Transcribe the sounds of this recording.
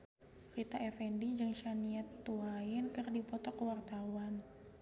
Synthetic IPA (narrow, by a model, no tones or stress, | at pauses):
kit̪aɛfɛndid͡ʒɨŋʃaniɛt̪ːuaɪnkɨrdipɔt̪ɔkəwart̪awan